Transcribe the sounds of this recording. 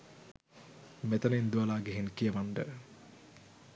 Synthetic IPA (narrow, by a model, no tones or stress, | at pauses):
met̪ɐnend̪uʋɐlaːɡeɦinkijəʋaɳɖə